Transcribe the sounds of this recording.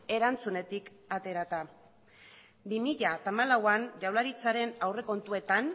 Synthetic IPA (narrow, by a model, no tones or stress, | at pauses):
e̞ɾant͡sune̞t̪ik | at̪e̞ɾat̪a | bimiʎat̪amalawand͡ʒawlaɾit͡saɾe̞nawre̞ko̞nt̪ue̞t̪an